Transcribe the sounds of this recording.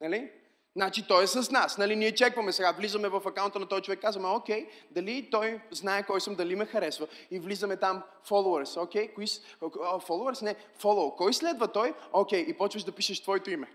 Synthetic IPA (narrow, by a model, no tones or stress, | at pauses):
nɐli | nat͡ʃit̪ɔɛsɐsnasnɐliniɛt͡ʃɛkvɐmɛsɛɡavlizəmɛvɐfɐkaʊnt̪ənɐt̪ɔzit͡ʃovɛkːazvɐmɛokʲɛjd̪ɐlit̪ɔjznaɛkɔjsəmd̪ɐlimɛxɐɾɛsvəivlizɐmɛt̪am | fɔlˠoəɾsokʲɛjkois | folˠoəɾsnɛ | fɔlˠokɔjslɛd̪vɐt̪ɔjokʲɛjipɔt͡ʃvəʃd̪ɐpiʃəʃt̪v̥ɔɛt̪oimɛ